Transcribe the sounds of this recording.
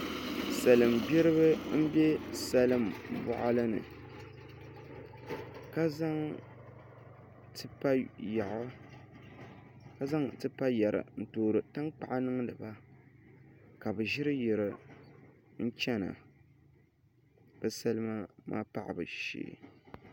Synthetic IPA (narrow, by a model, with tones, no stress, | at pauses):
sa˨lɨ˨mbɛ˦ɾɨ˦βɨ˦m̩˦bɛ˦sa˦lɨ˦mbʊ̰˦˨ʔa˦lɨ˦nɨ̰˨ | ka˦za˦ŋ | tɨ˦pa˦ja˨ʔa˦ | ka˦za˦ŋtɨ˦pa˦ja˨ɾɨ̰˨n̩˨toː˨ɾɨ˨ta˦ŋk͡pa˨ʔa˦nɨ˦ŋ˦nɨ˨ba˦˨ | ka˨bɨ˨ʒɪ˦ɾɨ˦jɪ˨ɾɨ˨ | n̩˦t͡ʃɛ˦na̰˨ | b̥ɛ˦sa˦lɨ˦ma˦ma̰ː˦pa̰˨ʔa̰˨bɨ̰˨ʃḛː˨